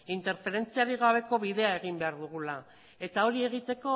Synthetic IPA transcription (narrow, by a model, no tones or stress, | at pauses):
int̪e̞ɾfe̞ɾe̞nt͡siaɾiɣ̞aβ̞e̞ko̞βiðe̞ae̞ɣ̞imbe̞aɾðuɣ̞ula | e̞t̪ao̞ɾie̞ɣ̞it̪e̞ko̞